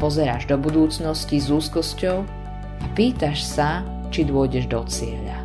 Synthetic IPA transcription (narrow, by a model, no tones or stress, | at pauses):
pɔzɛɾaːʒd̪ɔbud̪uːt͡snɔscizuːskɔscɔʊ | apiːt̪aʃsa | t͡ʃid̪ʊɔɟɛʒd̪ɔt͡sɪɛ̰ʎa̰